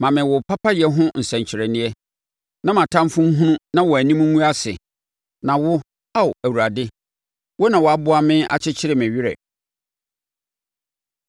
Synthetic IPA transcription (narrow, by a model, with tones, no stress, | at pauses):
mã˨mɪ̃˨wʊ˨pʰa˦pʰa˦jɛ˦ɦʊ̃˦n̩˨sɛ̃˨ɲ˨t͡ɕʰɪ˨ɾɛ˨nɪ̃˦ɛ˦ | nã˦mã˨tʰã˦m˦fʊ̃˦m˦ɦũ˦nũ˦nã˦wɔ˨æ˨nĩ˦mũ˦ũ˦a˦sɪ̰˨ | nã˨wʊ˦ | a˦wæ˨wu˨ɾa˨dɪ˦ | wɔ˦nã˨wɔ˨a˦bʊ˦a˦mɪ̃˦a̰˨t͡ɕʰɪ˦t͡ɕʰɪ˦ɾɪ˨mɪ̃˨ɥɪ˦ɾɛ̰˨